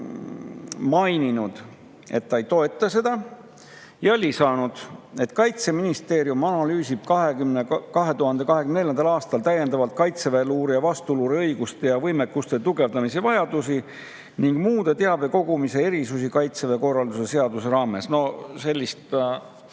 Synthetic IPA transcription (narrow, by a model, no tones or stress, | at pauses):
mɑjninud̪̥ | e̞̰t̪ːɑejt̪o̞e̞t̪ːˑɑse̞d̪̥ɑ | jælʲisɑːnud̪̥e̞t̪ːkɑjt̪se̞minist̪e̞ːɾjumɑnɑlyːsib̥kɑɦe̞ɡymnekɑɦe̞t̪uhɑnd̪̥e̞kɑɦe̞kymneljɑnd̪ɑlɑːst̪ɑlt̪æje̞nd̪̥ɑvɑlt̪̚kɑjt̪seveluːɾijɑvɑst̪uluɾiɤjɡ̥ust̪ejɑvɤjmekːust̪e̞t̪uɡe̞vd̪ɑmisevɑjɑd̪̥usi | niŋɡ̥muːd̪̥e̞t̪e̞ɑb̥e̞ko̞ɡ̥umise̞e̞ɾisusikɑjt̪se̞ve̞ko̞rːɑld̪use̞seɑd̪use̞ɾɑːme̞sno̞se̞lʲːist̪